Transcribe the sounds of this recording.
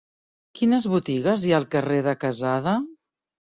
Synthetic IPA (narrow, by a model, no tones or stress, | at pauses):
kinəzβut̪iɣəzjaːlˠkəreðəkəzaðə